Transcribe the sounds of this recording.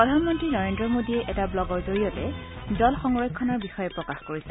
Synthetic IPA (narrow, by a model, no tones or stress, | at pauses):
pɹɔdʱanmɔntɹinɔɹendɹɔmodiɛʔɛtablɔɡɔɹzoɹiɔtɛdɔlxɔŋɹɔjkʰːɔnɔɹbixɔjɛpɹɔkaxkoɹisɛ